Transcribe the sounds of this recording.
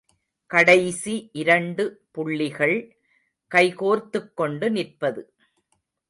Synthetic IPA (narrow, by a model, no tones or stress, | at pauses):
kɐɽɐɪsiʔɪɾɐɳɖɯpʊɭːɪɣɐɭ | kɐɪkoːɾt̪ɯkːɔɳɖɯnɪrpɐðɯ